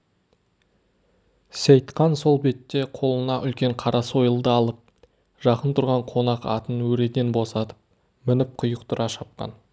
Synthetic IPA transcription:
sejt̪qɑnso̞lˠbe̞t̪ːe̞qʰo̞lˠənɑʔʏlkʲe̞ɴqʰɑɾʔɑso̞jəlˠd̪əɑlˠəp̚ | ʒ̥ɑqənt̪ʰʊɾʁɑɴqʰo̞nɑqɑ̰t̪ənwɵɾe̞d̪enbo̞sɑt̪ə̥p̚ | mɪnɪp̚qʰʊjəqt̪ʰʊɾʔɑʃɑp̚qɑ̰n

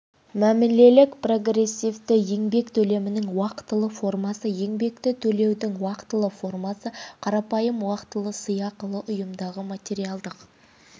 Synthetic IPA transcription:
mæmɪnle̞lɪkpro̞ɡɾe̞sʲːivt̪ɪje̞ŋbe̞kt̪ʰɵle̞mɪnɪŋwɑqt̪ːəlˠəfo̞rmɑsəje̞ŋbe̞k̚t̪ɪt̪ʰɵle̞wd̪ɪŋwɑqt̪ːəlˠəfo̞rmɑsəqʰɑɾɑpɑjəmwɑqt̪əlˠəsəjɑqəlˠəʔʊjəmd̪ɑʁəmat̪ʲe̞ɾijɑlˠd̪əq

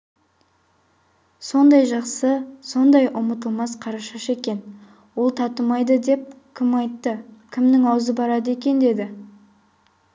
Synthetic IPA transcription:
so̞nd̪ɑjʒɑqsəso̞nd̪ɑjʔʊmət̪əlˠmɑsqʰɑɾɑʃɑʃe̞kʲe̞n | wo̞lˠt̪ʰɑt̪əmɑjd̪əd̪e̞p̚ | kʲʰɪmɑjt̪ːəkʲʰɪmnɪŋɑwzəbɑɾɑd̪əe̞kʲe̞nd̪e̞d̪ɪ

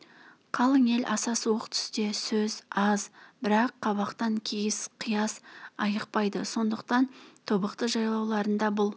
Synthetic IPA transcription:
qʰɑlˠəŋe̞lʔɑsɑsəwoqt̪ʰʏ̥st̪e̞sɵzɑzbɪɾɑqːɑβɑqt̪ɑŋkʲʰejɪsqʰijɑsɑjəqpɑjd̪əso̞nd̪əq̚t̪ɑnt̪ʰobəqt̪əʒɑjlˠɑwlˠɑɾənd̪ɑbʊlˠ

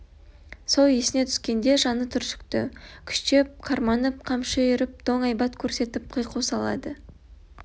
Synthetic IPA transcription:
soljesɪne̞t̪ʰʏskʲe̞nd̪e̞ʒɑnət̪ʰʏɾsʏ̥kt̪ɪ̰kʲʰʏ̥ʃtep̚qʰɑɾmɑnəp̚qʰɑmʃɑjʏɾɪp̚d̪̥oŋɑjbɑt̪kʲʰɵɾse̞t̪ɪp̚qʰəjqusɑlˠɑ̰d̪ə

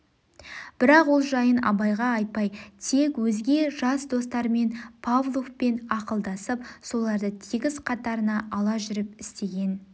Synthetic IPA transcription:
b̥ɪɾɑqwo̞lˠʒɑjənɑ̰bɑjʁɑɑjt̪̚pɑjt̪ʰe̞kwɵzɡʲe̞ʒɑsd̪o̞st̪ɑɾme̞npʰavlˠukpe̞nɑqəlˠd̪ɑsəpso̞lˠɑɾd̪ət̪ʰiɡʲɪzqʰɑt̪ɑɾənɑʔɑlˠɑʒʏɾɪp̚ɪst̪e̞ɡʲe̞n

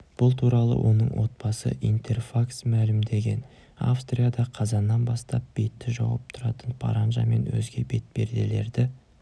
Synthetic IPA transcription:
b̥ʊlˠt̪ʰuɾɑlˠə̰wʔo̞̰nə̰ɴwʔo̞t̪̚bɑsə̰ʔijnt̪ʰe̞rfaksmælɪmd̪e̞ɡʲe̞n | a̰fst̪rʲijad̪ɑqʰɑzɑnːɑnbɑst̪ɑp̚b̥e̞t̪ːɪʒɑwɑ̰p̚t̪ʰʊɾɑt̪ənpʰɑ̰ɾɑnʒɑ̰me̞̰nwɵ̰zɡʲe̞be̞t̪̚be̞̰ɾd̪e̞le̞ɾd̪ɪ

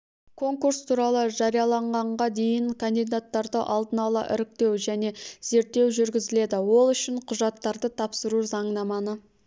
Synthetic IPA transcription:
kʰo̞ŋkuɾst̪ʰuɾɑlˠəʒɑɾijɑlˠɑɴʁɑɴʁɑd̪e̞jɪŋkʰand̪ijd̪at̪ːɑɾd̪əʔɑlˠd̪ənɑlˠɑ̰ʔɪ̰ɾɪk̚t̪e̞wʒæne̞z̥e̞ɾt̪ːe̞wʒʏɾɡʲɪzɪle̞d̪ɪwo̞lˠʏʃɪɴqʰʊʒɑt̪ːɑɾd̪ət̪ʰɑpsəɾuzɑɴnɑmɑnə

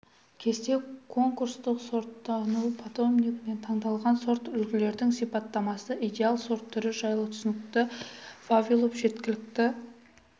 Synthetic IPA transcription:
kʲʰe̞st̪e̞kʰo̞ŋkuɾst̪əqso̞ɾt̪ːɑnuwpʰat̪o̞mnikme̞nt̪ʰɑɴd̪ɑlˠʁɑnso̞ɾt̪ʏlkʲʰɪle̞ɾd̪ɪŋsijpɑt̪ːɑmɑsəʔijd̪ʲealˠso̞ɾt̪ʰːʏɾɪʒɑjlˠət̪ʰʏ̥sɪnɪk̚t̪ɪvavʲilˠopʒe̞t̪kʲɪlɪk̚t̪ɪ

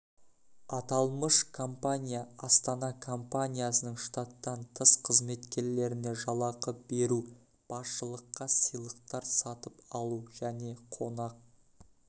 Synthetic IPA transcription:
ɑt̪ɑlˠməʃkʰo̞mpanʲijaɑst̪ɑnɑkʰo̞mpanʲijasənəɴʃt̪at̪ːɑnt̪ʰəsqʰəzme̞t̪kʲe̞ɾle̞ɾɪne̞ʒɑlˠɑqəbe̞ɾu | b̥ɑsʃəlˠəqːɑsəjlˠəq̚t̪ɑɾsɑt̪əpɑlˠuʒæne̞qʰo̞nɑq̚

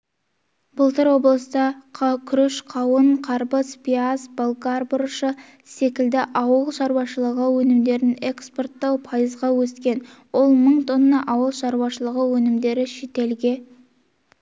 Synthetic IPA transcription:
bʊlˠt̪əɾwo̞blˠəst̪əqʰkʲʰʏɾeʃqʰɑwəɴqʰɑɾpəspʲiazbolˠkarbʊɾʃə | se̞kʲɪld̪ɪʔɑwəlˠʃɑɾwɑʃəlˠəʁəwɵnɪmd̪e̞ɾɪne̞kspo̞rt̪ːɑwpʰɑjəzʁɑwɵskʲe̞nwo̞lˠməɴt̪ʰonːɑʔɑwəlˠʃɑɾwɑʃəlˠəʁəwɵnɪmd̪e̞ɾɪʃe̞t̪e̞lɡʲe̞

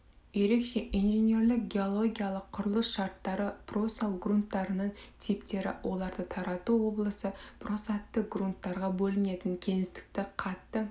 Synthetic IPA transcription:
je̞ɾe̞kʃe̞ʔinʒenʲe̞ɾlɪk̚ɡʲe̞o̞lˠo̞ɡʲijalˠəqʰːʊɾəlˠəsʃɑɾt̪ːɑɾəprosalˠɡrunt̪ːɑɾənəɴt̪ʰipt̪e̞ɾɪ̰wʔo̞lˠɑɾd̪ət̪ʰɑɾɑt̪uwo̞blˠəsəpro̞sat̪ːək̚ɡrunt̪ːɑɾʁɑbɵlɪne̞t̪ɪŋkʲʰe̞ŋɪst̪ɪ̥k̚t̪ɪqʰɑt̪ːə

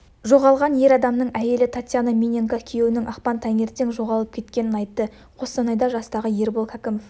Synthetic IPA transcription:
ʒo̞ʁɑlˠʁɑnje̞ɾɑd̪ɑmnəɴæje̞lɪt̪ʰat̪ʲjanamʲinʲeŋkakʲʰije̞wɪnɪŋʔɑqpɑnt̪ʰæŋe̞ɾt̪eŋʒo̞ʁɑlˠəp̚kʲʰe̞t̪kʲe̞nɪnɑjt̪ːə | qʰo̞st̪ɑnɑjd̪ɑʒɑst̪ɑʁəje̞ɾbolˠkʰɑkʲɪmoff

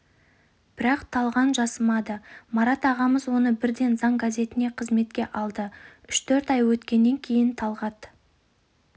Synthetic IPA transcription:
b̥ɪɾɑqt̪ʰɑlˠʁɑnʒɑsəmɑd̪əmɑɾɑt̪ɑʁɑməzwo̞nəbɪɾd̪e̞nzɑɴɡazʲe̞t̪ɪne̞qʰəzme̞t̪̚kʲe̞ʔɑlˠd̪əʏʃt̪ʰɵɾt̪ɑjwɵt̪kʲe̞nːe̞ŋkʲʰe̞jɪnt̪ʰɑlˠʁɑd̪

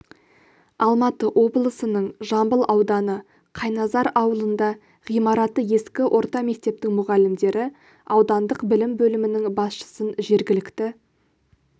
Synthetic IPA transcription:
ɑlˠmɑt̪əʔo̞blˠəsənəɴʒɑmbəlˠʔɑwd̪ɑnə | qʰɑjnɑzɑɾɑwəlˠənd̪ɑ | ʁijmɑɾɑt̪əje̞skʲɪʔo̞ɾt̪ɑme̞k̚t̪e̞p̚t̪ɪŋmʊʁɑlɪmd̪e̞ɾʔɪ | ɑwd̪ɑnd̪əqbɪlɪmbɵlɪmɪnɪŋbɑsʃə̥sənʒe̞ɾɡʲɪlɪkt̪ɪ

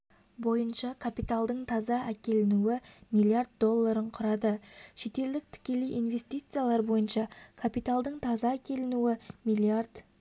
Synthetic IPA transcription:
bo̞jənʃɑkʰapit̪alˠd̪əɴt̪ʰɑzɑʔækʲe̞lɪnuwɪmilˠijard̪̚d̪o̞lˠːaɾəɴqʰʊɾɑd̪əʃe̞t̪e̞ld̪ɪk̚t̪ʰɪ̥kʲe̞lijʔinve̞st̪ijt̪sɨjalˠɑɾbo̞jənʃɑkʰapijt̪alˠd̪əɴt̪ʰɑzɑækʲʰe̞lɪnuɪmijlˠiard̪̥

